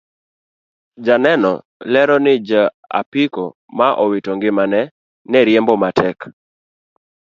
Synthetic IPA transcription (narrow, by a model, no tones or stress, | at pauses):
d͡ʒanɛnɔ̰ | lɛɾɔnɪd͡ʒa | a̰piko | maʔɔwitɔŋɡɪmanɛ | nɛɾjɛmbɔmatʰɛk